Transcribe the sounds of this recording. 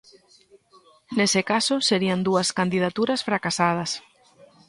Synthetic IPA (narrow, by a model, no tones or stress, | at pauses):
nesɪkasʊseɾiɐnd̪uɐskand̪ið̞at̪uɾɐsfɾakasað̞ɐs